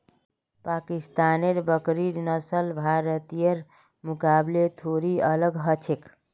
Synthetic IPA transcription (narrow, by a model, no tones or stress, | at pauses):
pakist̪aneɾbəkɾiɾnəsəlbʱaɾət̪ijəɾ | mukablet̪ʰoɾiələɡɦət͡ʃʰek